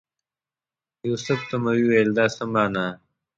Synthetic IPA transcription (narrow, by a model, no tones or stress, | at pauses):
juːsʊft̪ɐmɐwiwɐjld̪aːsɐmaːna